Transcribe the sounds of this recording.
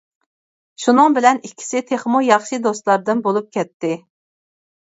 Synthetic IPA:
ʃunɨŋbɪlɛnikʲʰːi̥sɪt̪ʰeχmujɑχʃid̪ost̪lˠɑɾd̪ɨnbolˠup̚kʲɛt̪ːɪ

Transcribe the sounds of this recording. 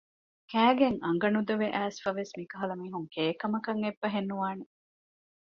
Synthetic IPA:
kæːɡeŋɐŋɡɐnud̪ɐʋeʔæːsfɐʋesmikɐɦɐlɐmiːɦuŋkeːkɐmɐkɐŋebːɐɦenːuʋaːne

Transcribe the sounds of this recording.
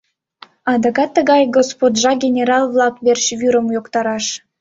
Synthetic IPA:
ɑd̪ɑkɑt̪ːəɣɑjɡospod̪ʲʒɑɡʲenʲeɾɑlˠβlɑkβerɕβyɾəmjokt̪ɑɾɑʃ

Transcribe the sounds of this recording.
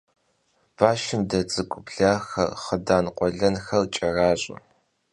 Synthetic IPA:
b̥aːʃɪmdɐt͡sʼɨkʷʼʊpɮaːxɐ̰rχədaːnqʷʼɔɮɐnxɐlt͡ʃʼɐraːɕʼɐ̰

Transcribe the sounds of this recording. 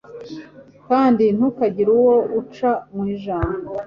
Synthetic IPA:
kaːndin̥ukaɟiɾuwout͡ʃamwiːʒaːmbo

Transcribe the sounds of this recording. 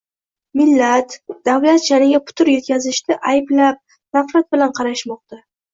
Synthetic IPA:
mɪlːat̪d̪̥avlat̪d͡ʒanɪɡʲapʰʊ̥t̪ʰʊɾjet̪̚kʲʰazɪʃt̪ɪʔajblap̚ | nafɾat̪̚bɪlanqʰɑɾaʃmɒqt̪a

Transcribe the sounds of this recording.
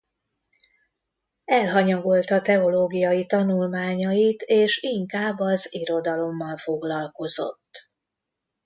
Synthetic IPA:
ɛlɦɒɲɒɡo̞lt̪ɒt̪ɛo̞loːɡijɒjit̪ɒnulmaːɲɒjit̪eːʃiŋkaːbːɒziɾo̞d̪ɒlo̞mːɒlfo̞ɡlɒlko̞zo̞̰t̪ː

